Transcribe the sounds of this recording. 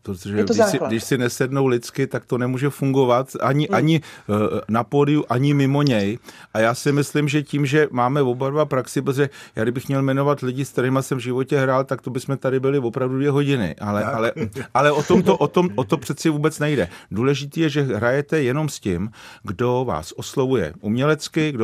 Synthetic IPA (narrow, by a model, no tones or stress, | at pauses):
pɾot̪oʒɛɡdsɪɡdɪʃsɪnɛsɛdno̞wlɪt͡skɪt̪akt̪onɛmuːʒɛfuŋɡo̞vat̪aɲɪʔʔaɲɪ | napoːlɪjuʔaɲɪmɪmo̞ɲɛjʔajaːsɪmɪslɪmʒɛciːmʒɛmaːmɛvobaɾvapɾaksɪp̬ɾot̪oʒɛjaːɡdɪbɪxmɲɛlmɛno̞vat̪lɪɟɪskt̪ɛɾɛːmasɛmvʒɪvo̞cɛɦɾaːlt̪akt̪o̞bɪsmɛt̪adɪbɪlɪvo̞pɾavdudvjɛɦo̞ɟɪnɪ̰ʔalɛʔalɛʔalɛʔot̪omt̪oʔot̪o̞mot̪o̞pr̥ɛt̪t͡sɪvuːbɛt͡snɛjdɛduːlɛʒɪt̪iːjɛʒɛɦɾajɛt̪ɛjɛno̞mscɪmɡdo̞va̰ːsʔoslovujɛ̰ʔumɲɛlɛt͡skɪɡdo